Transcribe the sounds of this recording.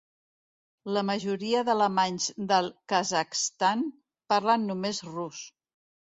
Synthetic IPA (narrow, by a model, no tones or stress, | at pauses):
ləməʒuɾiəðələmaɲzd̪əlˠkəzəkst̪an | paɾlanːumezrus